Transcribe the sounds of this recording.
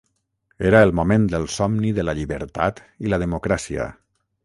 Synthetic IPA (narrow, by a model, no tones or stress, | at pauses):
eɾaelˠmumẽnd̪əlˠsɔmniðəlaʎiβə̰ɾt̪at̪ | iləðəmukɾasiə̰